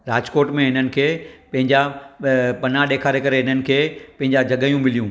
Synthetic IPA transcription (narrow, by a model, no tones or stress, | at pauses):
ɾaːd͡ʑkoːʈmẽɦɪnənɪ̆kʰeːpɐ̃ɦɪ̃ɲd͡ʑa | pɐnaɗeːkʰaːɾekɐɾeɦɪn̤ənɪ̆kʰeːpɐ̃ɦɪɲd͡ʑad͡ʑʱɐɠəjũmɪlijũː